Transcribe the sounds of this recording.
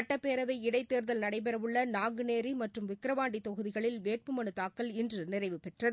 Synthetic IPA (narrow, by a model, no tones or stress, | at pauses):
ʈːɐpeːɾɐʋɐɪɪɽɐɪt̪ːeːɾðɐlnɐɽɐɪp̬ɛɾɐʋɯɭːɐnaːŋɡɯneːɾimɐʈrɯmʋɪkːɾɐʋaːɳɖit̪ːɔɣɯðɪɣɐɭɪlʋeːʈ̚pɯmɐnɯt̪aːkːɐlɪndrɯnɪrɐɪʋɯpɛʈrɐð